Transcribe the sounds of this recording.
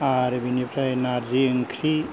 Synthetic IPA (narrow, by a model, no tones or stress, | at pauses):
aɾbinipɾajnaɾd͡ʒiəŋkʰɾi